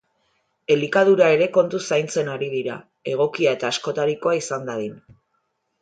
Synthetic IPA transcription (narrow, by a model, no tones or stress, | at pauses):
e̞likað̞uɾae̞ɾe̞ko̞nt̪usajnt͡se̞naɾiðiɾa̰ | e̞ɣ̞o̞kiae̞t̪aːsko̞t̪aɾiko̞aisand̪aðin